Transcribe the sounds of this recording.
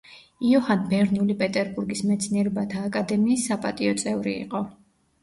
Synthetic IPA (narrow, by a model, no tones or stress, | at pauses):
iɔhanbɛɾnulipʼɛt̪ʼɛɾbuɾɡismɛt̪sʰniɛɾɛbat̪ʰaːkʼad̪ɛmiːsːapʼat̪ʼiɔt̪sʼɛvɾiḭqʼɔ